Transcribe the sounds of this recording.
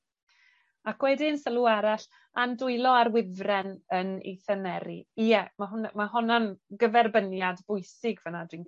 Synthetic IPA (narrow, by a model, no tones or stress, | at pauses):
akʰwɛdɪnsəlˠuaɾaɬ | andʊɨlˠɔaɾwɪvrɛnənḛjθɛnɛɾiijɛmaɦʊnmaɦɔnanɡəvɛrbənjadbʊjsɪɡvənadwin